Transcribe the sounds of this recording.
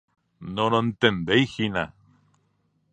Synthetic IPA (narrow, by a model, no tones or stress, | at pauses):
nonoent̪end̪ejxina̰